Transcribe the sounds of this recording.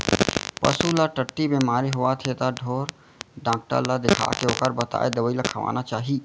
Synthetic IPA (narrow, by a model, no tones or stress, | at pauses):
pə̰sulaʈəʈːibeːmaːɾiɦoat̪ʰet̪aɖʱoːɾ | ɖãːk̚ʈə̰ɾlad̪ɪkʰa̰ːkeoːkəɾbət̪a̰ːed̪əʋəilakʰəʋa̰ːnat͡ʃaːɦi